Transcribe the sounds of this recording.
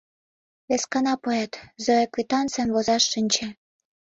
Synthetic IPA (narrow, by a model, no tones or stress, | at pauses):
βeskɑnɑpoet̪zoeklit̪ɑnt͡semβozɑʃːinʲt͡ɕĕ